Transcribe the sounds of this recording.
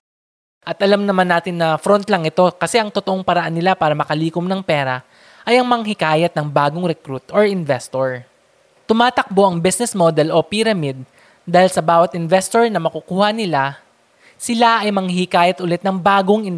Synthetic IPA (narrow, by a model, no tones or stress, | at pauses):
ʔɐt̪ʔɐlamnɐmanːaːt̪ɪnːɐfɾont̪lɐŋʔɪt̪o̞kɐsɛʔɐŋt̪ot̪oʔoŋpɐɾɐʔanːɪlapaːɾɐmɐkɐliːkomnɐŋpɛːɾɐ | ʔɐjɐŋmɐŋɦɪkaːjɐt̪̚nɐŋbaːɡoŋɾɛkɾut̪oɹɪnvɛst̪oɹ | t̪ʊmaːt̪ɐk̚bo̞ʔɐŋbisnɛsmod̪ɛlo̞piɾɐmid̪̚ | dːaːhɪlsɐbaːwɐt̪ʔɪnvɛst̪oɹnɐmɐkukuːhɐnɪla | sɪlaʔɐjmɐŋhɪkaːjɐt̪ʔʊlɛt̪̚nɐŋbaːɡoŋɪn